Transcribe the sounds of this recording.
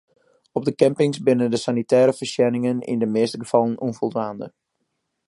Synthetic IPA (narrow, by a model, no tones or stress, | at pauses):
ɔb̚dəkɛmpɪŋsbɪnəndəsanitɛːɾəfərsjɛnɪŋənɪ̰ndəmeːstəɡəfɑlˠənʔunvɔlˠdʋaːndə